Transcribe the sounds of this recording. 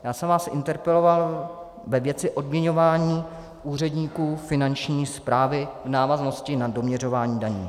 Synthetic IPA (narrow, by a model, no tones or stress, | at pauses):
jaːsɛmvaːsʔɪ̰nt̪ɛɾpɛlo̞val | vɛvjɛt͡sɪʔo̞dmɲɛɲo̞vaːɲiː | ʔuːr̝ɛdɲiːkuːfɪnant͡ʃɲiːspɾaːvɪvnaːvazno̞scɪnado̞mɲɛr̝o̞vaːɲiːdaɲḭː